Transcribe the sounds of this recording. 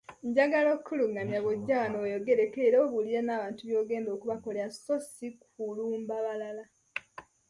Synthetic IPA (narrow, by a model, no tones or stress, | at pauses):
ɲɟaɡalokʰːuluŋɡamjaβoɟːawanojo̞ɡeɾekeɾoːβulijenaːβaːntuβjo̞ːɡe̞ːndo̞ːkuβako̞leasosikuluːmbaβalala